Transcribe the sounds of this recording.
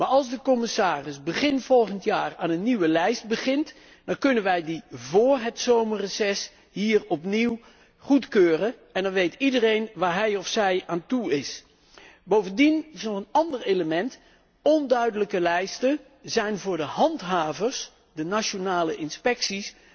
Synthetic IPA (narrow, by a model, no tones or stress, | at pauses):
maːɹɑlˠzdəkɔmɪsaːrɪsbəχɪnfɔlˠχəntjaːraːnənːiʋəlɛjsd̚bəχɪnt | d̥ɑnkɵnənʋɛjdivʊːɹɦətsowmərəzɛs | ɦiːɹɔpniw | χutkøːrəɛndɑnʋejtidərejnʋaːɹɦɛjɔfsɛjaːntuɪs | bowvəndinɪsnɔχənɑndəɹejləmɛnt | ɔndœɥdələkəlɛjstə | zɛjnvʊːɹdəɦɑntɦaːvəɹs | dənaʃonaːləʔɪnspɛksis